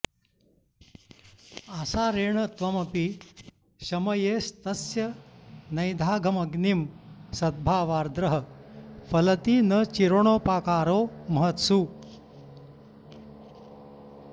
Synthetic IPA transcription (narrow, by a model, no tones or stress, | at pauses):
asaɾeːɳ̃ət̪ʋɐmɐpi | ɕɐmɐjest̪ɐsjɐnɐjd̪ʱaːɡʱɐmɐɡnimsɐd̪̚bʱaːʋaːɾd̪ɾəɦəfɐlɐt̪iːnət͡ɕiɾoɳ̃oːpaːkaːɾomɐɦət̪suː